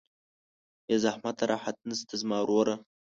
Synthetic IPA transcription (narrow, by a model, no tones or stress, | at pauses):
jazahmat̪aɾɑːħat̪̚nəst̪azmɑːɾoɾa